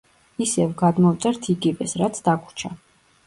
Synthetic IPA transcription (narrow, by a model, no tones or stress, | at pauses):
isɛvɡad̪mɔvt̪sʼɛɾt̪ʰiɡivɛsɾat̪sʰd̪akʰu̥t͡ʃʰa